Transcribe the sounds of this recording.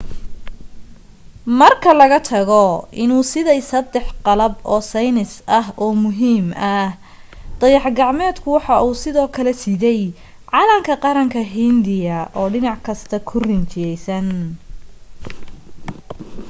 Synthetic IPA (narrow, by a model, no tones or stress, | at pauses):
mɐrkʰɐlɐɣɐt̪ʰɐɣɔʔɪnuːsɪðɛjsɐd̪ɛħqɑlɐbɔːsɛjnɪsʔɐɦɔːmʊɦiːmɐ | d̪̥ɐjɑħɡɑʕmɛːd̪kʰʊwɑħɑʔuːsɪðɔːkʰɐlɛsɪðɛj | ʕɑlɐŋkʰɐqɑɾɐŋkʰɐɦɪnd̪ɪjɐʔɔːɖɪnɑʕkʰɐst̪ʰɐkʰʊrɪnt͡ʃɪjɛjsɐn